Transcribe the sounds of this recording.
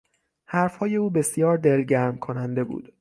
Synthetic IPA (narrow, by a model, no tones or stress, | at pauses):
hæɾfhɒːje̞uːbe̞sijɒːɾd̪e̞lɟæɾmkʰonænd̪e̞bṵːd̪̥